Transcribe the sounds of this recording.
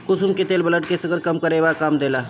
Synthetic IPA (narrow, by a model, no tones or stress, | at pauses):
kʊsʊmket̪eːlbɐləʈkesəɡəɾkɐmkəɾeːʋakaːmd̪eːlaː